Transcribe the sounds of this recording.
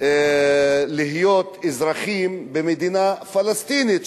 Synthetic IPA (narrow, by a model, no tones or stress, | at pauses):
liɦjot̪ezɾaχimbemed̪inafalast̪init̪